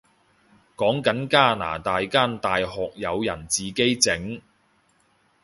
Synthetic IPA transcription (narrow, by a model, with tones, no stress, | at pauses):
kɔː˨˥ŋkɐ˨˥nkaː˥˩na̰ː˨˩t̪aː˨jkaː˥˩nt̪aː˨jhɔː˨k̚jɐ˨˧wjɐ˨˩nt͡siː˨ke˥jt͡sɪ˨˥ŋ